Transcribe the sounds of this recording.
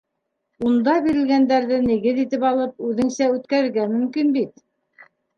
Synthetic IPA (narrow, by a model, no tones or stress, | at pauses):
und̪ɑbiɾɘ̆lɡænd̪æɾðɘniɡɘðit̪ɘpɑlˠɤp̚ʉðɘ̆ŋsæʉt̪̚kæɾɘ̆ɾɡæmɵ̆mkinbit̪̚